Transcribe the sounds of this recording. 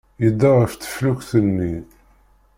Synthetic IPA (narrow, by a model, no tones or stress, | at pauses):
jəd̪ːɑʁəft̪ə̥flukθənːi